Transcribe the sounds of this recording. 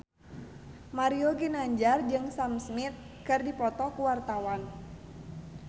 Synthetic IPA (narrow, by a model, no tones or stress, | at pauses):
maɾioɡinaɲd͡ʒard͡ʒɨŋsamsmɪt̪̚ | kɨrdipɔt̪ɔkuwart̪awan